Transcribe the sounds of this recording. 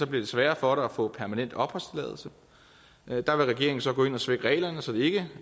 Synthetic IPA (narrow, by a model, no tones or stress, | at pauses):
sɒ̽b̥liɐd̥e̝sʋæːɐfɒ̽ɾ̥ɑæfɔ̰̽ːpʰæɐmænen̰d̥ɒ̽b̥ʁɔsd̥lɛ̰ːðˠl̩ˠsə | d̥ɑ̈ʋe̝lʁɛɡ̥e̝ɐ̰eŋn̩sɒ̽ɡ̥ɔ̽ːe̝nɒsʋeɡ̥ʁɛ̰ːlɐnəsɒ̽d̥e̝e̝ɡ̥ə